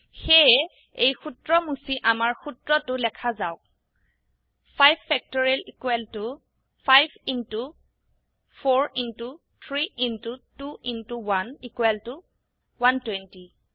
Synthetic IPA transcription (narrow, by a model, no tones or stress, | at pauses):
xe | ejxutɹɔmusiʔamaɹxutɹɔtʊlɛkʰazaʊk̚ | pʰajbfɛk̚tɔɹilikwɛltʊ | pʰajbintu | pʰoɹintu | t̪ʰɹiintutuintuwanikwɛltʊ | wantwɛnti